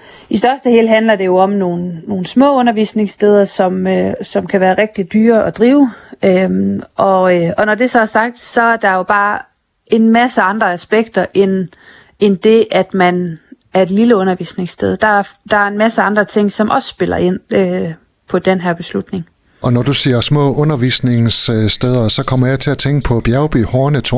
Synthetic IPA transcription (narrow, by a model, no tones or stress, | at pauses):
isd̥ɶɐsd̥əhe̝̰ːlɦænlɐd̥e̝jo̝ɒ̽mno̝ːn̩ːo̝ːn̩smɔ̰̽ːɔ̽nɐʋḭːsne̝ŋsd̥eð̞ˠɐsɒ̽møsɒ̽mkʰæʋæːɐʁɛɡ̥̚d̥id̥yːɐʔɒ̽d̥ʁiːʊøʔɒ̽ɒ̽nɒd̥e̝sɒ̽sɑ̈ɡ̥̚d̥sɒ̽æɐd̥ɑ̈jo̝b̥ɑ̈ː | e̝nmæsəɑ̈nd̥ʁɐæsb̥eɡ̥̚d̥ɐʔen | end̥e̝ʔæd̥mæn | æɐe̝d̥liləɔ̽nɐʋḭːsne̝ŋsd̥eð̞ˠd̥ɑ̈æɐd̥ɑ̈æɐe̝nmæsəɑ̈nd̥ʁɐt͡sʰe̝ŋ̰sɒ̽mʔɒ̽ssb̥e̝l̰ɐ̰e̝n̰ø | pʰɒ̽d̥enɦæɐ̰b̥e̝slud̥ne̝ŋ | ʔɒ̽nɒd̥usiːɐsmɔ̰̽ːɔ̽nɐʋḭːsne̝ŋssd̥eð̞ˠɐsɒ̽kʰɒ̽mɐjɑ̈ɪt͡sʰe̝æt͡sʰeŋɡ̥əpʰɒ̽b̥jæʊb̥ḭhɒːnət͡sʰo